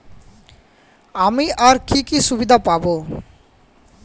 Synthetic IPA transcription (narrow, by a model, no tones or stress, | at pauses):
amiʔaɾkikiʃubid̪ʱapabo